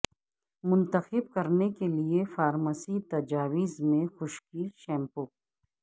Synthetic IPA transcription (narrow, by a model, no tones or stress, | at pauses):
mʊ̃nt̪əxɪbkɐɾnekeliefaːɾməsit̪ɐd͡ʒaːʋizmẽxʊʃkiːɾʃɛ̃ːmpo